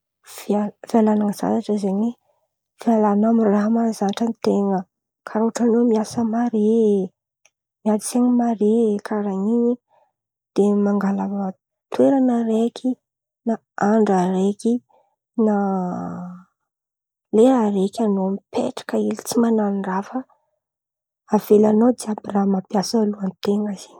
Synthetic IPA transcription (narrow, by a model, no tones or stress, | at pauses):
vavialanaŋəza̰naʈ͡ʂəizeɲe | vialanamiraɦmazanaʈ͡ʂənit̪eŋə | kʰaɾoaʈ͡ʂanomiasəmaɾe | miad̪iseŋəmaɾekʰaɾaŋiɲi | d̪̥emaŋɡalava | t̪weɾanəɾekʰi | na | aɳɖ͡ʐaɾeki | na | leaɾekʲanoamipʰḛʈ͡ʂḁkəilit͡simananrafə | av̥elanod̪iabramapjasaluanit̪eŋəz̥in